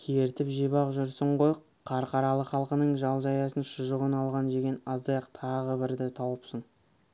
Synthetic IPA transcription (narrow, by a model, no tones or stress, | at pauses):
kʲʰeɾt̪ɪpʒijbɑqʒʊɾsəɴʁoj | qʰːɑɾqɑɾɑlˠəχɑlˠqənəɴʒɑlˠʒɑjɑsənʃʊʒəʁənɑlˠʁɑnʒeɡʲenɑzd̪ɑjɑqt̪ʰɑʁəbɪɾd̪ɪt̪ʰɑwəpsəɴ